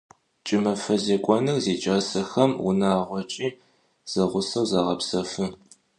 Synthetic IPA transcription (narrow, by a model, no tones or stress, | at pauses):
t͡ʃʼɪmɐfɐzeːkʷʼɔnɨrzeːt͡ʃʼɐsɐxɐmʊ̰naːʁʷɔt͡ʃʼiː | z̥ɐʁʷʊsɐwzaːʁɐpsɐfɨ